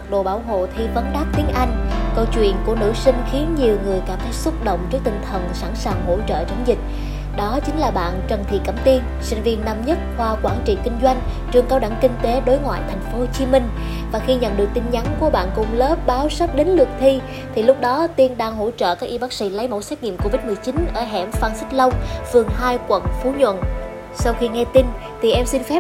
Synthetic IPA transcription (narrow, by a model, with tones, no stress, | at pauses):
ə˨˩k̚ɗo̰˧˨ɓaː˧˩wɦo̰˧˨t̪ʰi˧və˨˦nɗaː˦˥p̚t̪i˨˦ənʔa˧jŋ̟kə˧wt͡ɕwḭ˧˨ənku˧˩ənɨ̰˧˥sï˧ŋ̟xi˨˦ənɲi˨˩əwŋɨ˨˩əjkaː˧˩mt̪ʰe˨˦jsə˦˥t̚ɗo̰˧˨wŋ͡mt͡ɕi˦˥ək̚t̪ï˨˩ŋ̟t̪ʰə˨˩nsaː˧˩nsaː˨˩ŋɦo̰˧˥t͡ɕə̰ː˧˨t͡ɕə˨˦ŋ͡mzï˨˩k̟̚ | ɗɔ˨˦t͡ɕï˨˦ŋ̟laː˨˩ɓa̰ː˧˨nt͡ɕə˨˩nt̪ʰḭ˧˨kə˧˩mt̪i˧n | sḭ˧˨ŋ̟vi˧ənːa˧˩mɲə˦˥t̚hwaː˧kwaː˧˩nt͡ɕḭ˧˨kï˧ŋ̟zwa˧jŋ̟ | t͡ɕɨ˧əŋkaː˧wɗa˧˩ŋkï˧ŋ̟t̪e˨˦ɗo˨˦jŋwa̰ː˧˨jt̪ʰɛ˨˩jŋ̟fo˨˦t͡ɕi˨˦mï˧ŋ̟ | vaː˨˩xi˧ɲə̰˧˨nɗɨ˨˩ək̚t̪i˧nɲa˨˦ŋku˧˩əɓa̰ː˧˨nkʊ̰˧˩ŋ͡mləː˦˥p̚ɓaː˨˦wsə˦˥p̚ɗe˨˦nlɨ˨˩ək̚t̪ʰi˧ | t̪ʰi˨˩lʊ˦˥k͡p̚ɗɔ˨˦t̪i˧ənɗaː˧ŋɦo̰˧˥t͡ɕə̰ː˧˨kaː˦˥ʔi˧ɓaː˦˥k̚sḭ˧˥lə˨˦jmo˧˥sɛ˦˥k̚ŋḭ˧˨əmko˧vi˦˥t̚mɨ˨˩əjt͡ɕi˨˦nʔəː˧˩ɦɛ̰˧˩mfaː˧nsï˦˥k̟̚lə˧wŋ͡mfɨ˨˩əŋɦaː˧jkwə̰˧˩nfu˨˦ɲwə̰˧˨n | sa˧wxi˧ŋɛ˧t̪i˧n | t̪ʰi˨˩ʔɛ˧msi˧nfɛ˦˥